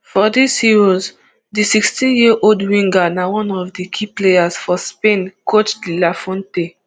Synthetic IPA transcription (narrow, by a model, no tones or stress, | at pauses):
fɔdishiɹɔz | disikstĩnjiʔoldwĩŋɡanawɔ̃nɔvdikʰiplejasfɔspẽnkʰot͡ʃlilafɔ̃nte